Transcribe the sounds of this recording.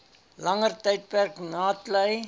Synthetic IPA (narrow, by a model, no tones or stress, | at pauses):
lɐŋərtəjt̚pærknɑːtləj